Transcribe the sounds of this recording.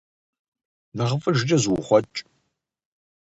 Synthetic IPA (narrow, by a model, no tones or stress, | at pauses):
nɐʁəfʼɨʒd͡ʒʼɐzwχʷɔt͡ʃʼ